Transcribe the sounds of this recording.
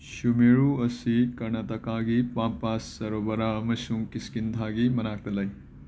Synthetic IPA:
sumeɾuɐsikɐɾnɐtɐkaɡipampasːɐɾobɐɾaɐmɐsuŋkiskind̪ʰʱaɡimɐnak̚t̪ɐlɐj

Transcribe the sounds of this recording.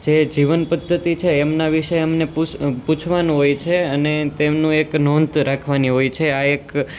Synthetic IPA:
d͡ʒed͡ʒiʋənpəd̪ʱːət̪it͡ʃʰeːmnaʋiʃəamnepuput͡ʃʰʋanũɦojt͡ʃʰeənet̪emnũeknont̪ɾakʰʋaniɦojt͡ʃʰeaek

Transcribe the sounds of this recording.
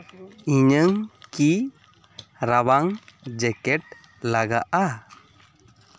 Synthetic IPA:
iɲəŋki | ɾabaŋd͡ʒɛkɛʈ̚ | laɡa̰ʔa

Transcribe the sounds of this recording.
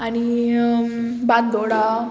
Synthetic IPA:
añi | bat̪̚d̪ʱoɽa

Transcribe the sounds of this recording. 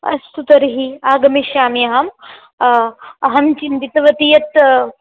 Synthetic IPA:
ɐ̰st̪ut̪ɐɾɦiaːɡɐmiʃjaːmijɐɦɐm | ɐɦɐmt͡ʃint̪it̪ɐʋɐt̪ijɐt̪

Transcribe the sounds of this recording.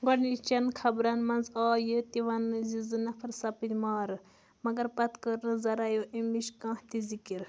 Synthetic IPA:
ɡɔnit͡ʃɐnkʰɐbɾɐnmɐnzaːjɨt̪iʋɐnɨzizɨnɐpʰɐɾsɐpinʲmaːɾɨ | mɐɡɐɾpɐt̪kəɾnɨzɐɾajoʔimiʃkãːht̪izikiɾ

